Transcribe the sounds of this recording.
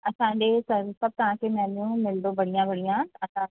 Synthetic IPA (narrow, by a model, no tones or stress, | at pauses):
ɐsãɲd͡ʑesɐɾsɐb̚t̪ɐʋ̤ãkemɛ̃ːnũmɪld̪obɐɽijãʋɐɽ̤ijãɐsã